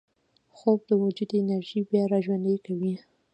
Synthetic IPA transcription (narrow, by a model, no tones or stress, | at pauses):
xob̚d̪əwʊd͡ʒud̪ɪnaɾʒibjɑɾɑʒwand̪əjkawi